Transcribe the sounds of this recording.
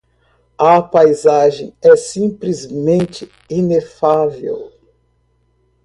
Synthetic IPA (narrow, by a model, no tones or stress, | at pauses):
ɐpajzaʒẽj̃ɛsĩplizmẽnt͡ʃɪ | inefavḛw